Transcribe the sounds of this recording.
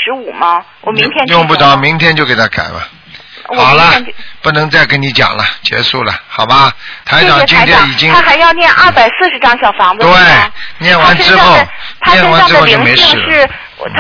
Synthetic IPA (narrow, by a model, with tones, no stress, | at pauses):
ʂɻ̩˧˥u˨˩mɐ˦wɔ˨˩mi˥t̪ʰjɛ˥njʊ˥˧ŋpu˥˩t̪ɑ˥˩ʊmi˧˥ŋt̪ʰjɛ˥nt͡ɕjo˥˧ʊke˨˩ɪt̪ʰa˥ka̰˨˩nlə̰˦ | xɑ˨˩ʊlɐ˦pu˥˩nɤ˧˥ŋt͡sa˥˩ɪke˥ni˧˥t͡ɕjɑ̰˨˩ŋlɐ˦t͡ɕjɛ̰˧˥ʂu˥˩lə̰˩xɑ˨˩ʊbɐ˦t̪ʰa˧˥ɪʈ͡ʂɑ˨˩ŋt͡ɕi˥˧ŋ˥t̪ʰjɛ˥˩i˨˩t͡ɕi˥ŋʰa˥xa˧˥ɪjɑ˥˧ʊnjɛ˥˧nʔɐ˞˥˩pa˨˩ɪsɹ̩˥˩ʂɻ̩˧˥ʈ͡ʂɑ˥ŋɕjɑ˨˩ʊfɑ˧˥ŋd͡z̩t̪we˥˩ɪnjɛ˥˩nwa˧˥nʈ͡ʂɻ̩˥xo˥˩ʊt̪ʰn˥jɛ˥˩nwa˧˥n˥ɻ̩˥o˥˧ʊt͡ɕjo˥˩˧me˧˥ɪʂɻ̩˥˩ɻ̩ʰ˥˧˨